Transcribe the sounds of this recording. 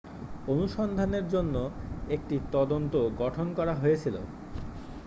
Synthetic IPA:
onuʃɔnd̪ʱaneɾd͡ʑonːoek̚ʈit̪ɔd̪ont̪oɡɔʈʰonkɔɾaɦojet͡ɕʰilo̰

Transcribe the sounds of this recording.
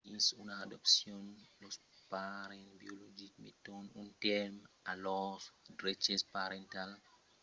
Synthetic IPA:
insunaadɔpsjɔnlɔs | paɾɛnbiɔlod͡ʒik̚mḭtɔnuntɛɾm | alɔsdɾet͡ʃɛspaɾɛntal

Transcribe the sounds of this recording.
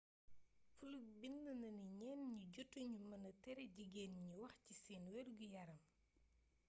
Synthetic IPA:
fulubinːənɐniɲɛnɲuɟɔtːuɲumɐnɐtɛɾɛɟiɡeːnɲuwɐxcisɛːnwɛɾɡujɐɾɐm

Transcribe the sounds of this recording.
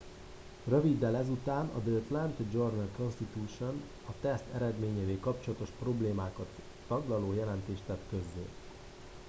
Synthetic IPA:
rø̞vid̪ːɛlɛzut̪aːnɒ̰d̪øːt̪lɛnt̪d͡ʒornɛlko̞nst̪it̪uːʃo̞n | ɒt̪ɛst̪ɛɾɛd̪meːɲeːveːlkɒp̚t͡ʃo̞lɒt̪o̞ʃpro̞bleːmaːkɒt̪ː | ɒɡlɒloːjɛlɛnt̪eːʃt̪ɛt̪kø̞zːḛː

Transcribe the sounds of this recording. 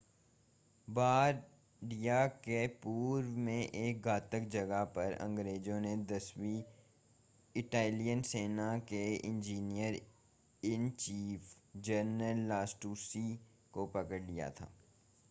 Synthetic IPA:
baːɾ | ɖijakepuːɾmẽʔeːk̚ɡaːt̪əkd͡ʒɐɡaɦpɐɾɐ̰̃ŋɡɾeːd͡ʒõned̪ɐswi | ɪʈaːlijənseːnakeɪ̰̃nd͡ʒiːnijəɾ | ɪnt͡ʃiːfd͡ʒəɾnəlːaːsʈuːsi | kopɐkəɽlija̰t̪ʰa̰ː

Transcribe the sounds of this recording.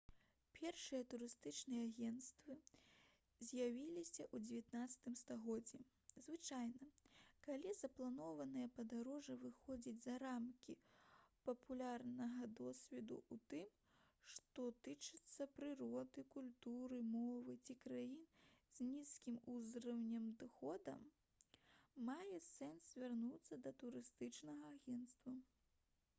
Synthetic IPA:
pʲɛrʂɨjɐt̪uɾɨst̪ɨt͡ʂnɨjɛaɣʲɛnt̪st̪vɨ | zʲjavʲilʲisʲɐʔud͡zʲevʲat̪nat̪sɐ̥t̪ɨmst̪aɣɔd͡zʲːi | zvɨt͡ʂajnɐkalʲizɐplˠanɔvɐnɨjɐpɐd̪aɾɔʐɨvɨxɔd͡zʲid͡zʲzɐɾamkʲipɐpʰulʲarnɐɣɐd̪ɔsʲvʲɛd̪ṵut̪ɨm | ʂt̪ɔt̪ɨt͡ʂɨt̪sːɐpɾɨɾɔd̪ɨkulʲt̪uɾɨmɔvɨt͡sʲikɾajinz̥ʲnʲiskʲimuzɾɐwnʲɐmd̪ɨxɔd̪ɐ̰m | ajɛsɛnszvʲarnut̪sːɐd̪ɐt̪uɾɨst̪ɨt͡ʂnɐɣɐːɣʲɛnt̪st̪vɐ

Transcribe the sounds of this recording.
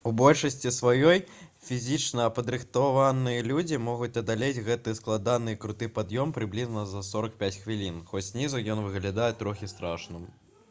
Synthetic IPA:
ubɔlʲʂɐsʲt͡sʲisvajɔjfʲizʲit͡ʂnɐːpɐd̪ɾɨxt̪avanɨjɐlʲud͡zʲimɔɣut͡sʲɐd̪alʲed͡zʲɣɛt̪ɨsklˠad̪anɨkɾut̪ɨpad̪jɔmpɾɨblʲiznɐzɐsɔɾɐk̚pʲat͡sʲxvʲilʲinxɔsʲnʲizujɔnvɨɣlʲad̪ajɛt̪ɾɔxʲist̪ɾaʂnɨm

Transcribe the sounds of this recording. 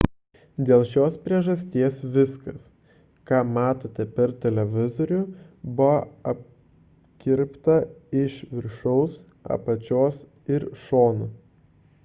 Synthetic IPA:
d̪ʲeːlˠʃʲoːspʲɾʲiɛʒɐsʲt̪ʲiɛsʋʲɪskɐs | kɑːmɑːt̪oːt̪ʲɛpʲɛɾt̪ʲɛlʲɛʋʲɪzoɾʲʊbʊʋɐɐp̚ | kʲɪɾpt̪ɐɪʃʋʲɪɾʃɔʊs | ɐ̰pɐt͡ʃʲoːs | ɪɾʃoːnʊ

